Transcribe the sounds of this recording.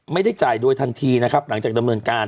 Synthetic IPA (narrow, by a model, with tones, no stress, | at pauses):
ma˥˩jda˥˩jt͡ɕaː˨˩jduː˧əjt̪ʰa˧nt̪ʰiː˧na˦˥kʰa˦˥p̚la˩˦ŋt͡ɕaː˨˩k̚da˧mnɤː˧nkaː˧n